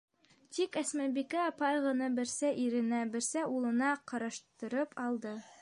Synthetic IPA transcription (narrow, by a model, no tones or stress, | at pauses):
t̪ikæsmæbikæɑpɑjʁɤ̆nɤbɘ̆ɾsæʔiɾɘ̆næbɘ̆ɾsæulˠɤ̆nɑqɤ̆ɾɑʃt̪ɤ̆ɾɤpʰɑlˠd̪ɤ